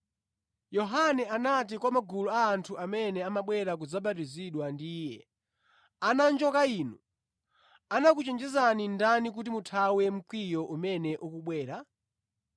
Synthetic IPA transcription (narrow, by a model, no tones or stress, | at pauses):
jɔɦanɛanat̬ikwamaɡulɔaːntʰuʔamɛnɛamaɓwɛɾak̬ud͡zaɓatiziɗwandiːjɛ | anand͡ʒɔkaiːnṵ | anakut͡ʃɛnd͡ʒɛzanindanik̬utimutʰawɛm̩kwijɔʔumɛnɛʔukuɓwɛːɾa